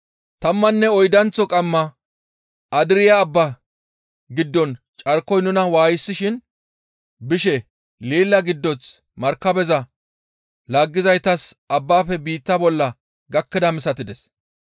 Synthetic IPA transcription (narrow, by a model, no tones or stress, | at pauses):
t̪ɐmːɐnːɛɔjd̪ɐnt͡sːɔkʼɐmːɐ | ʔɐd̪ɪɾɪjɐːbːa | ɡɪd̪ːɔn | t͡ʃʼɐɾkːɔjnʊnɐwaːjɪsːɪʃɪn | bɪʃɛ | liːlːɐɡɪd̪ːɔnt͡s | mɐɾkːɐbɛzɐ | laːɡːɪzɐjt̪ɐsʔɐbːaːfɛbiːt̪ːɐbɔlːɐ | ɡɐkːɪd̪ɐmɪsɐt̪ɪd̪ɛs